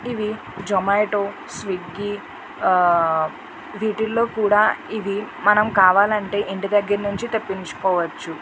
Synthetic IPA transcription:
iʋi | d͡ʒɔmajʈoː | sʋiɡːi | ʋiːʈilːo̞ːkuːɽaːiʋimɐnɐmkaːʋaːlɐɳʈe̞ːʔiɳʈid̪ɐɡːɐɾnuɲt͡ʃit̪ɐpːint͡ʃu̥kɔːʋɐt͡ʃːu

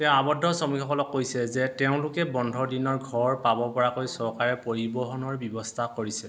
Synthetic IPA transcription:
tɛʊ̃abɔdʱɔsɔmikʰɔkɔlɔkːojsɛzɛtɛʊ̃lʊkɛbɔndʱɔdinɔɹɡʱɔɹpabɔpɔɹakojsɔɹkaɹɛpoɹibɔɦɔnɔɹbɔbɔstʰakoɹisɛ

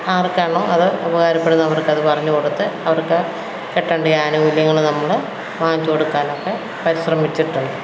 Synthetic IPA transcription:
aːrkaːɳoːʔɐðɨɐbɐɣaːɾɐpːe̞ɽunːɐʋɐrkɐðɨpɐrɐɲːukoɽut̪ːɨɐʋɐrkɨ | keʈːɐːɳɖɨjaːnɐʋiljɐŋːɐɭnɐmːɐɭ | ʋaːɲt͡ɕkoɽukːaːno̞kːe̞ | pɐɾiɕrɐmit͡ɕːiʈːuɳːɐ

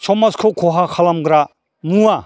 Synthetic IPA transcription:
t͡ʃʰɔmɐskʰokʰoɦakʰalamɡɾa | nuwa

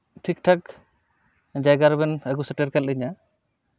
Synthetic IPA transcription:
ʈʰik̚ʈʰak | d͡ʒajɡaɾbɛnɛɡusɛʈɛɾkɛliɲa

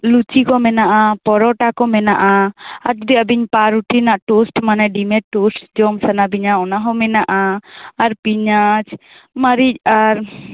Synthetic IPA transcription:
lut͡ʃikɔmɛnaʔapɔɾɔʈakɔmɛnaʔaa̰ɾt̪d̪iəbiɲpaɾuʈinaʔʈusʈmanɛɖimɛʈusʈd͡ʒɔmsanabiɲaɔnaɦɔmɛnaʔaːɾpiɲat͡ʃ | məɾic̚aɾ

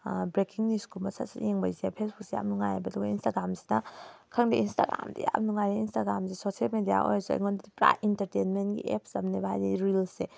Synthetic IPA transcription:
bɾekiŋniskumɐsasajeŋbajziapʰesbuk̚sija̰m̚nuŋajabɐdɔɡɐinstaɡɾamsi̥nɐkʰɐŋdiinsta̰ɡɾa̰mdḭja̰mnuŋajɾeinstaɡɾamsesosielmedija̰ʔo̰jsua̰ŋondadipɾa̰jintɐɾtenmentɡḭep̚sɐmnebaɦajdiɾilse

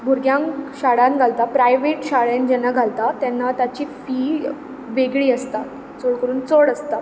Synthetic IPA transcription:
bʱuɾɡjãŋɕaɽãnɡʱalt̪apɾajʋeʈɕaɭend͡ʑɛnːaɡʱalt̪at̪ɛnːat̪jat͡ɕiːfiː | ʋeɡɭiːəst̪a | t͡soɽkəɾuːnt͡soɽəst̪a

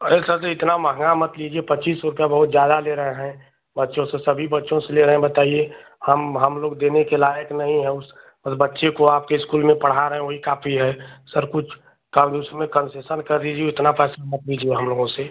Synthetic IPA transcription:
esəseɪt̪naməɦə̃ŋɡamət̪liːd͡ʒiepətːt͡ʃiːsːɔɾʊpjabəɦʊt̪zjaːd̪aleɾəɦeɦɛ̃ | bətːʃõsesəbʱibətːʃõseleɾəɦẽbət̪aːie | həmɦəmloːɡd̪eːnekelaːjəknəɦĩɦɛʊs | bəsbətːʃekoaːp̚keɪskuːlmẽpəɽ̤aɾəɦẽʋoɦikaːpʰiɦɛsəɾkʊt͡ʃʰ | kəmd̪usɾmẽkə̃nsesənkəɾd̪id͡ʒieɪt̪napɛːsamət̪lid͡ʒieɦəmloːɡõse

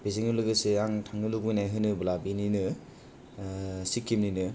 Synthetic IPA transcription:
biziŋɯlɯɡɯseaŋtʰaŋnɯluɡujnajɦɯnɯbɯlabininɯ | sikʰːimninɯ

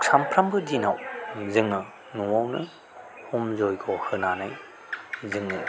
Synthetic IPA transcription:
ksampʰɾambɯdinawzɯŋnɯ | nuwawnɯ | hɔmzɔjɡʰɔhɯnanaj | zɯŋnɯ

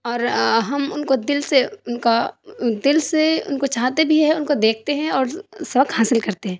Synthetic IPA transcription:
ɔːɾɦɐmʊnkod̪ɪlseʊnkad̪ɪlseʊ̰nkot͡ʃaːɦt̪ebʱiɦɛ̃ʊnkod̪eːk̚ʰt̪eɦɛ̃ɔːɾsɐʋəkhaːsɪlkɐɾt̪eɦɛ̃ː

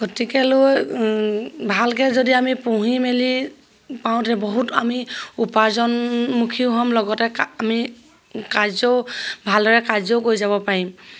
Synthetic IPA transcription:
ɡ̥ɔtikɛloj | bʱalkɛzodiamipuɦimeli | paʊ̃tɛbɔɦuta̰miupaɹzɔnmukʰiuɦɔmlɔɡɔtɛami | kazɔbʱaldɔɹɛkazɔʊkojzabɔpaɹim

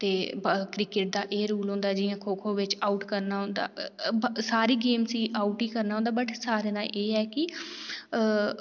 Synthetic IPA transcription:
t̪eːkɾɪkɪʈ̚d̪aːʔeːɾuːlɦõːnd̪aːɛd͡ʒɪjãːkʰoːkʰõːʋɪt͡ʃaːuʈkəɾnaːɦʊ̃nd̪a̰ː | saːɾiːɡeːmsiːʔaːuʈiːkəɾnaːɦõnd̪aːbəʈʰsaːɾeːnaːʔeːɛːkɪ

